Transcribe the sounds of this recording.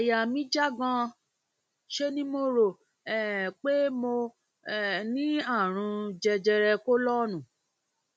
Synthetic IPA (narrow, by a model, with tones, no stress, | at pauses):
a˨ja˨mĩ˦d͡ʒa˦ɡã˧ | ʃe˧˦nĩ˦mo˧ɾo˨ | ɛ˦˨k͡pe˦mo˧˨ | nĩ˦a˦˨ɾ̃ũ˧d͡ʒɛ˧d͡ʒɛ˧ɾɛ˧ko˦lɔ˦nũ˨